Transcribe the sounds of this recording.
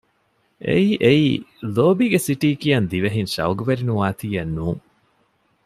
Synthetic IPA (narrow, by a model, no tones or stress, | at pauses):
ʔḛiːʔeiːloːbiːɡesiʈiːkijɐnd̪iʋeɦinʃɐ̰uɡuʋeɾinuʋaːt̪iːɐnːuːŋ